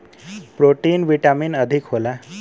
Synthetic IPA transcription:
pɾoʈiːnʋiʈamiːnəd̪ʱikɦola

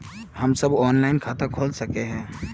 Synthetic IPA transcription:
hɐmsɐbɔːnlaːɪnkʰaːt̪ãkʰoːlsɐkeɦɛ̃ː

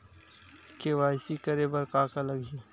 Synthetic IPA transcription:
kewaːjsikəɾebəɾkaːkaləɡi

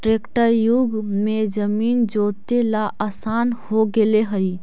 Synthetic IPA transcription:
ʈɾekʈəɾjʊɡmed͡ʒəmiːnd͡ʒot̪elaʔaːsaːnhoɡeleɦəi

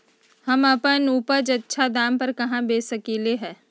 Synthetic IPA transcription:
hɐmɐpənuːpəd͡ʒɐtːʃʰad̪aːmpɐɾkɐɦãbeːsɐkileɦɛ̃ː

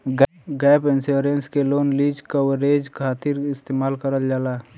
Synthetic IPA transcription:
ɡ | ɡɛpɪnseɾenskeloːnlid͡ʒkəwɾeːd͡ʒkʰaːt̪ɪɾɪst̪eːmaːlkəɾəld͡ʒaːla

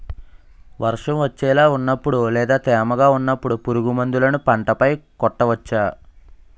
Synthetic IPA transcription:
ʋɐɾʂɐmʋɐt͡ʃːɛːlaːunːɐpːuɽulɛːd̪aːt̪ɛːmɐɡaːunːɐpːuɽupuɾuɡumɐnd̪ulɐnupɐɳʈɐpɐjkɔʈːɐʋɐt͡ʃːaː

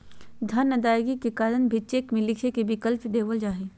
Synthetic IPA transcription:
d̪ʱɐnːəd̪aːjɡikekaːɾənbʱet͡ʃeːkmẽlɪkʰekebɪkəlpd̪eːʋəld͡ʒaːɦeː

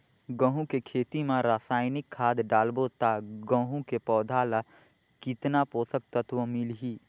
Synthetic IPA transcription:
ɡə̃ɦũkekʰeːt̪imãɾaːsaːɪnɪkʰːaːd̪ɖaːlbot̪aɡə̃ɦũkepɔːd̪ʱaːla | kɪt̪napoːsək̚t̪ət̪wəmɪlɦiː

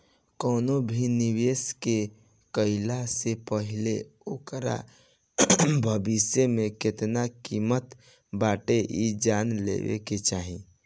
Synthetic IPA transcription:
kɔːnobʱiniweːske | kəɪlasepəɦɪleokɾa̰ | bʱəbisjemẽkɪt̪nakimət̪ | baːʈeʔid͡ʒaːnlḛʋḛket͡ʃaːɦĩ

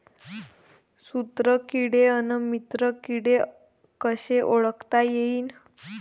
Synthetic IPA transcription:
sut̪ɾəkiɽeənəmit̪ɾəkiɽe | kəɕeʔoɭəkt̪ajeiːn

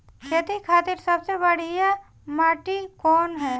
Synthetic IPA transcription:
kʰeːt̪ikʰaːt̪ɪɾsɐbsebɐɽ̤ia | maːʈikɔːnɦɛː

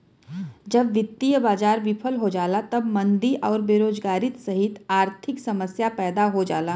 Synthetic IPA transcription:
d͡ʒɐbʋɪt̪ːijəbaːd͡ʒaːɾʋɪpʰəlɦod͡ʒaːlat̪ɐbmɐ̃nd̪iʔɔːɾbeːɾoːd͡ʒɡaːɾɪt̪sɐɦɪt̪aːɾt̪ʰɪksɐməsjapɛːd̪aɦod͡ʒaːlaː

